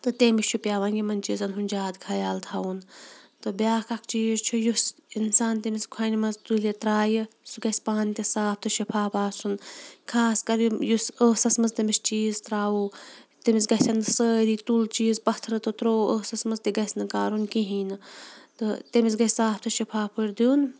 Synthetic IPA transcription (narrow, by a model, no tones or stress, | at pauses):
t̪ɨt̪emit͡ʃʰupʲjaːʋɐnjimɐnʲt͡ʃiːzɐnɦunʲd͡ʒaːd̪kʰɐjaːlt̪ʰaunt̪ɨbʲaːkakʰt͡ʃiːzt͡ʃʰujusinsaːnt̪emiskʰwɐnʲimɐzt̪ulet̪ɾaːjɨsɨɡɐspaːnt̪ʲesaːp̚t̪ʰɨʃipʰaːpaːsunkʰaːskɐɾjusəːsɐsmɐzt̪ɐmist͡ʃiːzt̪ɾaːut̪imisɡɐt̪ʰʲɐnɨsəːɾiːt̪ult͡ʃiːzpɐt̪ʰɾɨt̪ɨt̪ɾoːəːsɐsmɐzt̪iɡɐsnɨkaːɾunkiɦiːnɨt̪ɨt̪emisɡɐsʲaːpʰt̪ʰɨʃipʰaːpʰɨɾd̪juːn